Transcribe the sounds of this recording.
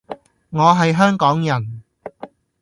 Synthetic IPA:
ŋɔː˨˧ɦɐ˨jɦœː˥ŋkɔː˨˥ŋjɐ˨˩n

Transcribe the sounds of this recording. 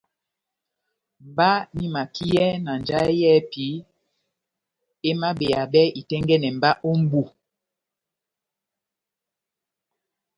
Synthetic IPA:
m˨ba˦ni˦ma˨ki˦ɛ˦na˨n˨d͡ʒa˦jɛ˦pi˨˦ | e˦ma˦be˨a˨bɛ˦i˨tɛ˦ŋɡɛ˦nɛ˨m̩˨ba˦ʔo˦m̩˦bu˦˨

